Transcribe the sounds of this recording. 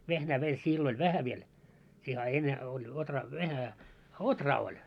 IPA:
ʋehnæː meil silːo lʲ ʋæhæ ʋiel siːhe ɑ enːe olʲ otrɑː ʋæhæ otrɑː olʲ

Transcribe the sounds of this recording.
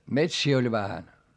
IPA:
metsiː olʲ ʋæhæn

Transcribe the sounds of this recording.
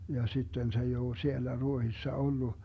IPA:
jɑ sitːen se ei oː sielːæ ruohisːɑ olːu

